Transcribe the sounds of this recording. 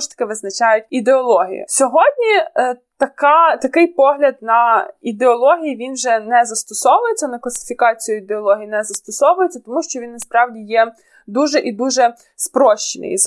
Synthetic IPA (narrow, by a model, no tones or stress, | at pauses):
ɔʃt̪ɐ̥kɪʋɪznɐt͡ʃɑjʊtʲid̪eɔlˠɔɦʲḭjʊ̰sʲɔɦɔdʲnʲit̪ɐkɑt̪ɐkɪjpɔɦlʲɐd̪̚nɐid̪eɔlˠɔɦʲijiʋʲinʒɛnɛzɐst̪ɔsɔʋʊjet͡sʲːɐnɐklˠɐsʲɪ̥fʲikɑt͡sʲijʊid̪eɔlˠɔɦʲijinɛzɐst̪ɔsɔʋʊjet͡sʲːɐt̪ɔmuʃt͡ʃɔʋʲinːɐspɾɑwdʲijɛ | d̪uʒɛʔid̪uʒɛ | spɾɔʃt͡ʃenɪ̰j̰̪